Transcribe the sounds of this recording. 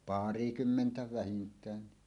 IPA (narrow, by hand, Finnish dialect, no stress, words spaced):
pɑˑrikymːentæ ʋæhintˑæːnːi